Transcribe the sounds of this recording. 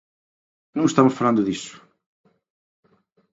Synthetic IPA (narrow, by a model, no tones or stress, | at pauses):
nɐ̃w̃ʃt̪amʊsfɐlˠãnd̪ʊðisʊ̥